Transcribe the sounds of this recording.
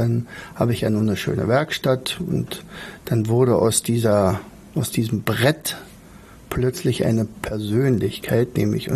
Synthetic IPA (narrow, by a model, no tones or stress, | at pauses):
d̥anha̰ːbəɪçjaːnuːnəʃø̰ːnə̰vɛɐkʃtatʊ̰ntd̥anvʊɐɾəʔa̰ʊsd̥iːzɐ | ʔaʊsd̥iːzəm̩bʁɛt | pʰlœt͡slɪçʔa̰ɪnəpʰɛɐzøːnlɪçkʰaɪtnɛ̰ːmɪ̰çʊ̰